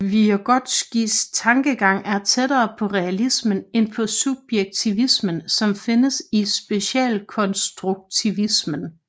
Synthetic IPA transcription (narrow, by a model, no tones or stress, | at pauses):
ʋiæɡ̥ɒ̽d̥sɡ̥ḭːst͡sʰɑ̈ŋɡ̥əɡ̥ɑ̈ŋ̰æɐt͡sʰedɐːpʰɒ̽ʁɛælismənenpʰɒ̽sub̥jeɡ̥̚t͡sʰiʋismənsɒ̽mfe̝nəsisb̥e̝ɕɛ̰ːlkʰɒ̽nsd̥ʁuɡ̥̚t͡sʰiʋismən